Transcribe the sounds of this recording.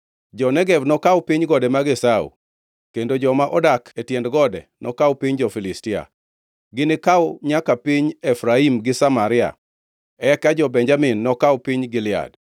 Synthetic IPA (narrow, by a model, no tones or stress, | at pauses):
d͡ʒɔnɛɡɛvnɔkawpiɲɡɔdɛmaɡesaṵ | kendod͡ʒɔmaʔɔdakʰetjɛndɡɔdɛ̰nɔkawpiɲd͡ʒɔfilɪstɪa̰ | ɡɪnɪkawʊɲakapiɲɛfɾaimɡɪsamaɾɪa̰ | ɛkad͡ʒɔbɛɲd͡ʒamɪnːɔkawpiɲɡɪlɪa̰d